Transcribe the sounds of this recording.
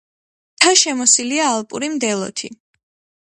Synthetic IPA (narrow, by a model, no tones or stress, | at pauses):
t̪ʰaʃɛmɔsiliaːlˠpʼṵɾimd̪ɛlˠɔ̰t̪ʰḭ